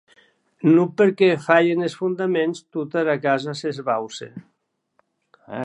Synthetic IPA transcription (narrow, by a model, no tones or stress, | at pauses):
nupeɾkɛfaʎenesfund̪amenst̪ut̪aɾakazasezβawsḛ